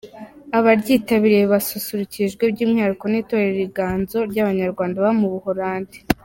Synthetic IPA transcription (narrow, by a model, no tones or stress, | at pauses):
aβaɾɟiːtaβiɾijeβasusuɾuciʒɡwe̞b̚ɟiːmŋaɾuko̞niːto̞ɾeɾiɡaːnzo̞ɾɟaβaɲaɾɡwaːndaβamuβuhoɾaːndi̥